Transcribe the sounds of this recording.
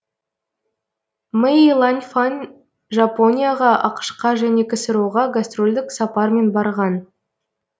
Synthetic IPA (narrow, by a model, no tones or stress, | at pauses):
meilˠanʲfanʲ | ʒapo̞nʲijaʁɑʔɑ̰qə̥ʃqɑʒæne̞kʲʰɪsɪɾuwʁɑɡast̪rolʲd̪ɪksɑpɑɾme̞nbɑɾʁɑn